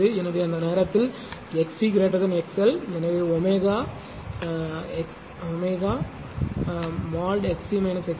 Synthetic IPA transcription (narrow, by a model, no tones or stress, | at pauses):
ɯɛnːɐʋeɐnd̪ɐneːɾɐt̪ːɪl | ɛksikɪɾeːʈɾɐðɯnɛksɛlɛnɐʋeɔmeːɣaː | ɛk | ɔmeːɣaː | maːlɖɛksimɐɪnɐsɛk